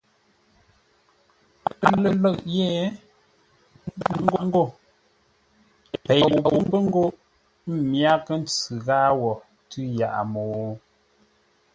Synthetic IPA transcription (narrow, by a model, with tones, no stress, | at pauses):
lə˨lə˦˨ʔjɛ˦˨˦ | ŋ̩˦ɡo˦˨ŋ̩˦ɡo˦˨ | pɛ˨wbə˦ŋ˦ɡo˦ʔ | m˦mja˦kə˦n˦t͡sʉ˨ɣaː˦wɔ˨ | tʉ˦ja̰˨ʔa˨mo˨